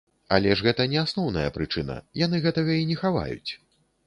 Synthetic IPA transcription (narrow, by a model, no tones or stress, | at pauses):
a̰lʲɛʂɣɛt̪ɐnʲɛasnɔwnɐ̰jɐ̰pɾɨt͡ʂɨnɐ̰janɨɣɛt̪ɐɣɐinʲɛxava̰jṵt͡sʲ